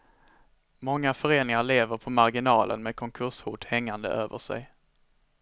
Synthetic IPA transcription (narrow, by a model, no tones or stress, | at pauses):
mɔŋːafœɾeːnɪŋaɭeːvəɾpʰɔmaɾɡɪnɑːlʔə̰nmeːd̪̚kʰɔŋkʰɵʂhuːʈ̪hɛŋːand̪ə̰ʔøːvə̰ʂɛ̰j